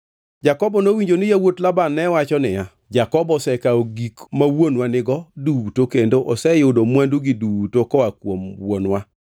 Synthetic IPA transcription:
d͡ʒakɔbɔnowiɲd͡ʒonɪjawotlabanːɛwat͡ʃɔnɪja | d͡ʒakɔbɔsɛkaoɡikmawonwanɪɡɔduwutokendoʔɔsɛjʊdomwanduɡɪduwutokɔakwomwonwa

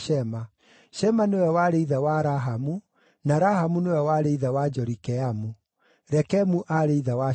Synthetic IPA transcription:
ɛma | ʃɛmanewɛwaɾeiðawaɾaɦamu | naɾahamunewɛwaɾeiðawad͡ʒɔɾikɛamu | ɾɛkɛmuʔaɾeiðawa

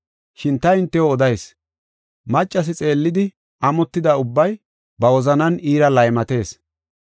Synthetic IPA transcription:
ʃɪnt̪ɐɪnt̪ːɛoɔd̪ɐjs | mɐt͡ʃʼːɐs̬ɪt͡sʼe̞ːlːɪd̪ɪ | ɐmɔt̪ːɪd̪aʊbːɐj | bɐwɔzɐnɐniːɾɐlɐjmɐt̪e̞ːs

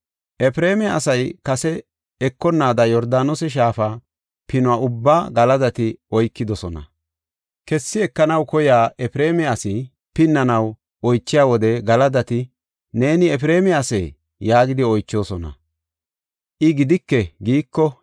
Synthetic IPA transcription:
ʔɛpɾe̞ːmɛɐ̰sɐjkɐsɛ | ɛkːɔnːaːd̪ɐjɔɾd̪aːnɔsɛʃ̬aːfa | pɪnʊaʔʊbːaːɡɐlɐd̪ɐt̪ɪɔjkːɪd̪ɔsɔnɐ̰ | kɛsːɪɛkːɐnɐwkɔjaːʔɛpɪɾeːmɛasɪ | pɪnːɐnɐw | ɔjt͡ʃːɪjaːwɔd̪ɛɡɐlɐd̪ɐt̪ɪ | ne̞ːnɪɛpɪɾe̞ːmɛɐsḛː | jaːɡɪd̪ɪɔjt͡ʃːoːsɔnɐ̰ | ʔɪɡɪd̪ɪkːɛɡiːkːɔ

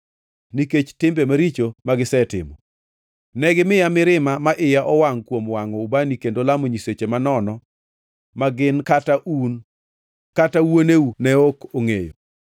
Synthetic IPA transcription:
niket͡ʃtɪmbemaɾit͡ʃomaɡɪsɛtɪ̰mɔ | nɛɡɪmɪjamɪɾɪmamaʔɪjaʔɔwaŋkwomwaŋɔubanikendolamoɲiset͡ʃemanɔnɔ | maɡɪnkataʔun | katawoneunɛokoŋejo̰

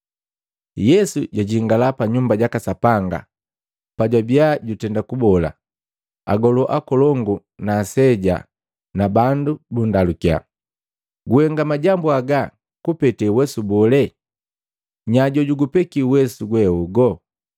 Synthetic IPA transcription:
jɛsuɟaɟiŋɡalapaɲumbaɟakasapaŋɡa̰ | paɟwabiaɟutɛndakubɔla̰ | a̰ɡɔlɔʔakɔlɔŋɡu | naːsɛɟa̰ | nabandubundalukia̰ | ɡuhɛŋɡamaɟambuaɡa | kupɛtɛwɛsubɔlɛ | ɲaɟɔɟuɡupɛkiwɛsuɡwɛuɡɔ

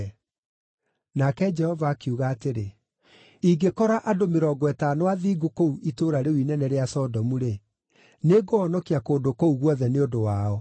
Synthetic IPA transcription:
nakɛd͡ʒɛhɔvaːkeuɣaːteɾe | iɡekɔɾaʔadomeɾɔːɡwɛtanoaðiːɡokouʔitoːɾaɾewinɛnɛɾeasɔdɔmuɾe | neɡoɔnɔkiakoːdokouɣwɔðɛneodowaɔ

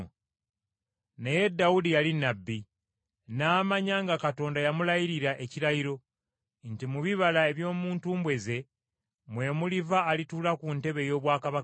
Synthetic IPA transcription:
neje̞dːaudijalinːabːi | naːmaɲaŋɡakato̞ːndajamulajiɾiɾaʔe̞ciɾajiɾo̞ | ntimuβiβalae̞βjo̞ːmuːntuːmbwe̞ze̞ | mwe̞ːmulivaːlituːlakunte̞βe̞jo̞ːβwaːkaβa

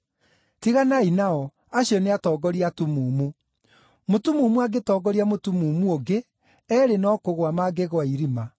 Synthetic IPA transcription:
tiɣanainaɔ | aɕjɔneatɔːɡɔɾiatumumu | motumumuaɡetɔːɡɔɾiamotumuːmuoɡe | ɛːɾenɔkoɣwamaɡeɣwaiɾima

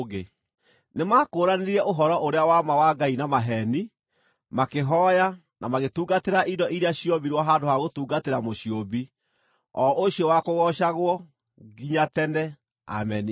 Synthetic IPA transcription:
ɣe | nemaːkoːɾaneɾiɛʔoɦɔɾɔʔoɾeawamawaɡainamaɦɛni | makeɦɔja | nʔamaɣetuːɡateɾaʔidɔʔiɾeaɕiɔbiɾjwɔɦadoɦaɣotuːɡateɾamoɕjobi | ɔʔoɕiɔwakoɣɔʃaɣwɔ | ɡiɲatɛnɛ | a̰mɛni

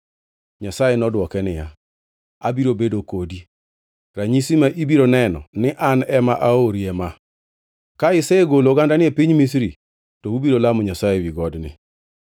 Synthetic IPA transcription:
ɲasajenɔdwɔkɛnɪja | a̰biɾobedokodi | ɾaɲisimaʔibiɾonɛnɔ̰nɪʔanɛmaʔaoɾiɛma | kaɪsɛeɡoloɡandanɪɛpiɲmis̬ɾi | towubiɾolamʊɲasajewiɡɔdnɪ̰

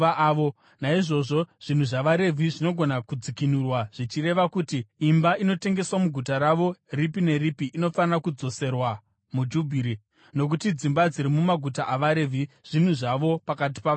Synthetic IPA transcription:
aːo | naiʐo̞ʐo̞ʐ̥in̤uʐaʋaɾe̞vʱiʐino̞ɡʱo̞nakud͡zikinurwaʐ̥it͡ʃire̞ʋakutiːmbaino̞te̞ŋɡe̞swamuɡʱutaɾaʋo̞ripine̞ripiʔːno̞fanirakud͡zo̞se̞rwa | mud͡ʒubʱiɾi | no̞k̬utid͡zimbad͡ziɾimumaɡʱutaʔaʋaɾe̞vʱiʐ̥in̤uʐaʋo̞pakat̬i̥paa

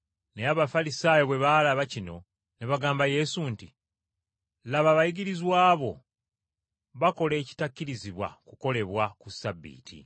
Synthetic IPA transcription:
neaβafalisaːjoβwe̞βalaβacino̞ | ne̞βaɡaːmbaje̞sunti | laβaβajiɡiɾizwaːβo̞ | βako̞le̞ːci̥takːiɾiziβwa̰kuko̞le̞βwakusabːḭːtʰḭ

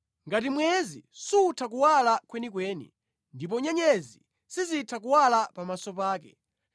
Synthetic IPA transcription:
ŋɡatimwɛzḭsuutʰak̬uwalakwɛnikwɛːnḭ | ndip̬ɔɲɛɲɛzi | sizitʰak̬uwalapamasɔpaːkɛ̰

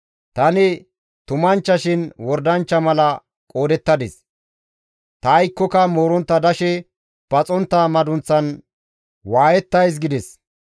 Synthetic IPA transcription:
t̪ɐnɪ | t̪ʊmɐnt͡ʃːɐʃɪnwɔɾd̪ɐnt͡ʃːɐmɐlɐ | kʼo̞ːd̪ɛt̪ːɐd̪ɛs | t̪ɐːjkːɔkɐmoːɾɔnt̪ːɐd̪ɐʃɛ | b̥ɐt͡sʼɔnt̪ːamɐd̪ʊnt͡sːɐn | waːjɛt̪ːɐjs̬ɡɪd̪ɛs

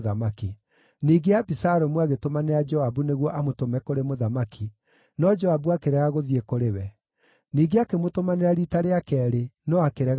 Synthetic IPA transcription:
ðamaki | niːɡeabisaɾɔmwaɣetomaneɾad͡ʒɔabuneɣwɔʔamotomɛkoɾemoðamakʰi | nɔd͡ʒɔabuakeɾɛɣaɣoðiekoɾewɛ | niːɡeakemotomaneɾaɾitaɾeakɛːɾenɔakeɾɛɣ

